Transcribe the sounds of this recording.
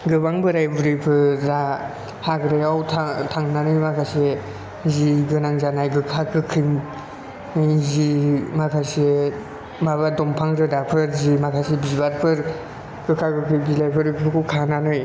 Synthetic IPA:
ɡɯβaŋbɯɾajbuɾɯpʰɯɾa | haɡɾajawtʰtʰaŋnanɯjmakʰase | ziɡɯnaŋzanajɡɯkʰakɯkʰɯŋ | zimakʰase | maβadɔmpʰaŋɾɯdapʰɯɾzimakʰasebibaɾpʰɯɾ | ɡ̥ɯkʰakɯkʰɯbilajpʰɯɾɯpʰɯkʰukʰananɯj

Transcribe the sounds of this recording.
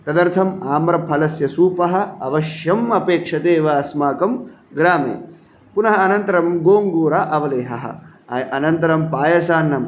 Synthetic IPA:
t̪ɐd̪ɐɾt̪ʰɐmaːmɾɐpʰɐlɐsjɐsuːpɐɦɐ̆ɐʋɐʃjɐmɐpeːkʂɐt̪eːʋɐːsmaːkɐm | ɡɾaːmḛː | punɐɦɐːnɐnt̪ɐɾɐmɡoːŋɡuːɾaːʔɐʋɐleːɦɐ̰ɦɐ̰̆ | ɐjʔɐnɐnt̪ɐɾɐmpaːjɐsaːnːɐm

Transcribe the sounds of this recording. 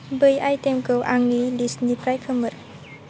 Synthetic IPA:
bɯjajtemkɯwʔaŋnilisnipɾajkʰɯmɯɾ

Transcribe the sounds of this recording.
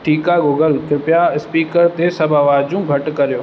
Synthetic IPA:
ʈʰiːkaɡoːɡəlkɪpɪjaɪspiːkəɾt̪esɐbʱaʋaːd͡ʑũɡʱɐʈkɐɾijoː

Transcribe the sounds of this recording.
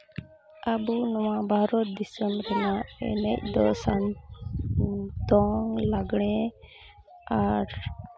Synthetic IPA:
ʔabunɔwabʱaɾɔt̪̚d̪isɔmkanaɛ̰nɛc̚d̪ɔsan | t̪ɔŋlaɡɽ̃ɛ | aɾ

